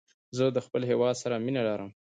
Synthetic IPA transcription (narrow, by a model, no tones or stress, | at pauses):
zəd̪əxpəlɦewɑd̪saɾaminaɖɑɾəm